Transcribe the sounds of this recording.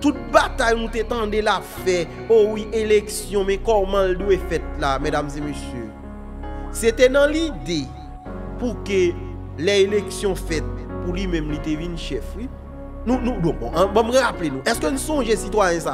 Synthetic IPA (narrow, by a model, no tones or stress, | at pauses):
t̪ut̪̚bat̪ajnũt̪et̪ɑ̃delafɛ | owiʔeleksjɔ̃mɛ̃kɔmãldwefɛt̪̚lamɛdamzemøsjø | set̪ɛnãlid̪e | pukø | lɛeleksjɔ̃fɛt̪̚pulimɛ̃mlit̪evĩnʃɛfwi | nũnũbɔ̃bɔ̰̃ʔbɔmɣaplenũʔɛskønũsɔ̃ʒesit̪wajɛ̃sa